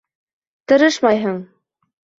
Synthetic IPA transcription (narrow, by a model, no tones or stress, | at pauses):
t̪ɤ̆ɾɤʃmɑjɦɤɴ